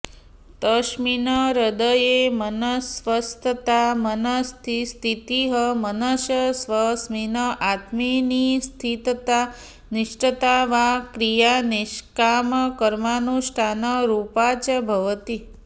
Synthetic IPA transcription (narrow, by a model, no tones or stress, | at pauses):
t̪əʃminəɾəd̪əjemənəsʋəst̪ʰət̪amənəst̪ʰist̪ʰit̪iɦəmənəʃjəsʋəsminəʔat̪minist̪ʰit̪t̪a | nɪʃʈət̪aʋakɾijaniʃkaməkəɾmanũʃʈʰanəɾupat͡ʃəbʱəʋət̪i